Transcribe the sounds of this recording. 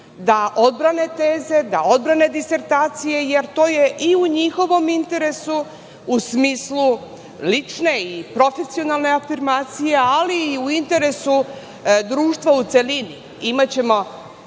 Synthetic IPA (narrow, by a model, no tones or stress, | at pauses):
d̪aʔo̞d̪̚bɾane̞t̪eːze̞d̪ao̞d̪̚bɾane̞d̪ise̞ɾt̪aːt̪sije̞jeɾt̪o̞ːje̞ʔiuɲixo̞ʋo̞mint̪e̞ɾe̞su | usmiːslˠu | lit͡ʂne̞ipɾo̞fe̞sio̞nalˠne̞afiɾmaːt̪sijealiːuint̪e̞ɾe̞su | d̪ɾuːʃt̪ʋaut̪se̞lini | imat͡ɕe̞mo̞